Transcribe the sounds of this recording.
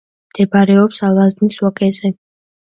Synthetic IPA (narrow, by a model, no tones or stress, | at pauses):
md̪̥ɛbaɾɛɔpsalˠazniswakʼɛzɛ